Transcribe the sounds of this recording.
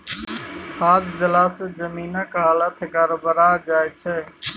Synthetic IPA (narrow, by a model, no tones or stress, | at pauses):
kʰaːd̪d̪əlaːsəd͡ʒəmiːnəkɦaːlət̪ʰɡəɾbəɾaːd͡ʒaːjt͡ʃʰɛː